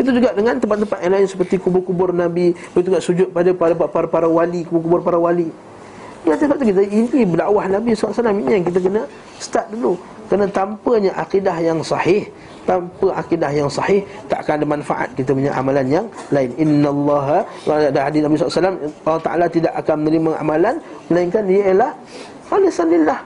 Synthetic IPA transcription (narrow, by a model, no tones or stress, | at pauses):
it̪ud͡ʒuɡaʔdəŋãnt̪əmp̬at̪ːəmpat̪̚jaŋlaɪnsə̥pərt̪ikubʊrkubʊrnabibəit̪̬uɡaʔsud͡ʒʊt̪̚padapadapapaɾpaɾawalikubʊkubʊrpaɾawali | dəŋant̪ispat̪̚t̪ukit̪̬əinibədaʔwahnabisalasalaminijaŋkit̪̬ək̬ənə | sə̥t̪at̪̚dulu | kənat̪ampəɲaʔaqidahjaŋsɑhɪh | t̪ampəʔakidahjaŋsɑhɪht̪a̰ʔakanadamanfaʔa̰t̪̚kit̪̬əpuɲaʔa̰malanjaŋlaɪnɪnːalˤːɑɦa | daɦadɪsnabis̬ɔasalamɑlːɑht̪aʔa̰lat̪idaʔakanmənəɾimaʔa̰malanməlaiŋkandiəjəlah | falisanlilːah